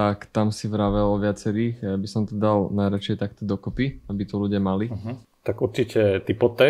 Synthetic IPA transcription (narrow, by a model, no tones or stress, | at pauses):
t̪akt̪amsiʋɾaʋɛlɔʋɪat͡sɛɾiːxjabisɔmt̪ɔd̪alnajɾat͡ʃɛɛt̪akt̪ɔd̪ɔkɔpiabit̪ɔluɟɪamalit̪akuɾt͡ʃicɛt̪ipɔt̪ɛ